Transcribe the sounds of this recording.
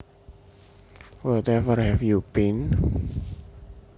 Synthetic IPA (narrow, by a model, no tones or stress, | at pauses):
wɔt̪ɛfərhɛfjupin